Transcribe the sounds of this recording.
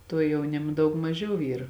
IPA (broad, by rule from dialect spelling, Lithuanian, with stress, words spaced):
ˈtuɔ jɛʊˈnʲɪmɐ ˈdɐʊk mɐˈʒʲɛʊ ˈiːr